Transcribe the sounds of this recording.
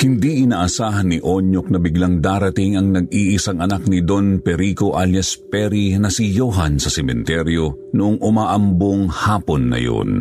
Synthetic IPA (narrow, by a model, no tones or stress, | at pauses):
hɪnd̪iʔɪnaːʔɐsaːɦɐnːɪʔo̞ɲok̚nɐbɪɡlaŋd̪aːɾɐt̪iŋɐŋnɐɡ̚iːʔɪsaŋʔɐnaknid̪onpɛɾiko̞ʔaljɐspɛɾinɐsijoɦɐnsɐsɛmɛ̰nt̪ɛɾjo | nʊʔoŋʊmaːʔɐmboŋhaːpo̞nːɐ̰jo̰n